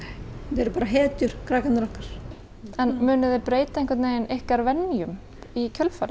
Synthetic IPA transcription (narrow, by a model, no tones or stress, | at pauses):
ɛɾʏpaːɾaɦɛːt̪ʏɾ̥kʰɾaːkanɪɾɔhkaɾ̥ | ɛnmʏːnʏðɪpɾeːjt̪ainŋkʰvɛɾt̪neːjɪnɪhkaɾvɛnːjʏm | icʰœlfaɾɪ